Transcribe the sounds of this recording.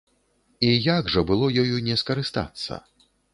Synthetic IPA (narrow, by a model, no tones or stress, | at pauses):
ijaɡʐɐbɨlˠɔjɔjunʲɛskɐɾɨst̪a̰t̪sːɐ̰